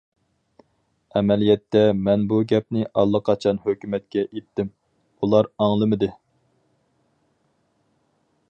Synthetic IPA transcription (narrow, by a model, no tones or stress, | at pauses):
ɛmɛlijɛt̪ʰːɛmɛnbuɡʲɛp̚nɪʔɑlˠːəqʰɑt͡ʃʰɑnhøkʲymɛt̪̚kʲɛʔet̪ʰːɪm | ulˠɑɾɑŋlˠɨmɨd̪ɨ